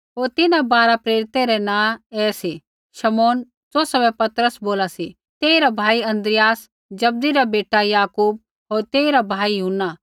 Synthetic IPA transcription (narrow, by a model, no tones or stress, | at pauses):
ɦoːɾt̪ɪnãbaːɾapɾeːɾɪt̪eɾɛnãːɛːsi | ʃɐmoːn | t͡soːsɐbɛ̃pɐt̪ɾəsboːlasi | t̪eːiɾabʱaːiɐ̃nd̪ɾɪjaːs | d͡ʒɐb̚d̪iɾabeːʈajaːkuːb̚ | ɦoːɾt̪eːiɾabʱaːijʊɦnːa